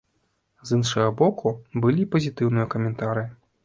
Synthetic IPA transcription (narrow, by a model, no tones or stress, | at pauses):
zɨnʂɐɣɐbɔkubɨlʲipɐzʲit̪ɨwnɨjɐkɐmʲɛnt̪aɾɨji